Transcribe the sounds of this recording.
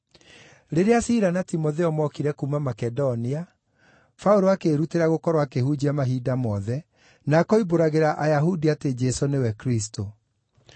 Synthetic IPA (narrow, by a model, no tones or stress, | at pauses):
ɾeɾeasiɾanatimoðeɔmwɔkiɾɛkumamakɛdonia | faoɾoakeɾuteɾaɣokɔɾwakehud͡ʑiamaɦidamɔðɛ | nakɔiboɾaɣeɾaʔajaɦudiated͡ʒɛsonewɛkɾisto